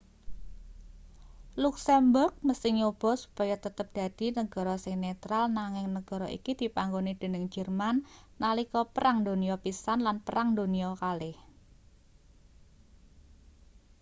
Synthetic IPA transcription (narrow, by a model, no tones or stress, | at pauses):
luksɛmbʊrk̚məsɪŋob̥ɔ̤su̥pajat̪ət̪əp̚d̪̥ä̤d̪̥i̤nəɡ̥ɔ̤ɾɔsɪŋnet̪ɾalnaŋɪŋnəɡ̥ɔ̤ɾɔʔḭkid̪̥i̤paŋɡonid̪̥e̤nəŋd͡ʒ̥ərmanː | alikɔpəɾaŋd̪oniɔpisanlanpəɾaŋd̪oniɔkalɪh